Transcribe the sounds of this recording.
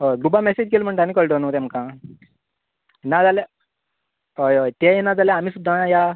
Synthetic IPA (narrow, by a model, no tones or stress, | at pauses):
ɦojɡubamɛsed͡ʑkelm̤əɳʈ̪anikəɭɖonũt̪ɛmkã | nad͡zale | ɦojojt̪ejenad͡zaleam̤iːsud̪ʱːãja